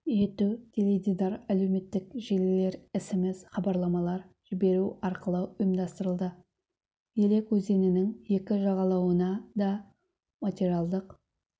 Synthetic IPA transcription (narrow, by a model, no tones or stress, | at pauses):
je̞t̪ud̪̥ʰeled̪id̪ɑɾæle̞wme̞t̪ːɪkʒelle̞ɾɪsɪmɪzχɑbɑɾlˠɑmɑlˠɑɾʒ̥ɪbe̞ɾuɑɾqəlˠəʊjəmd̪ɑst̪əɾəlˠd̪ə | je̞le̞kwɵzd̪e̞nɪnɪŋje̞kʲɪʒɑʁɑlˠɑwənɑd̪ɑ | mat̪ʲeɾiɑlˠd̪əq